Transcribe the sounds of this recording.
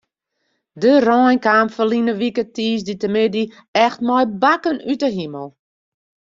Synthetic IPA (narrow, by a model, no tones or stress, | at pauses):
dərɔjnkaːmfəlinəʋikətiːsditəmɪdi | ɛxtmɔjbakənytəɦiməlˠ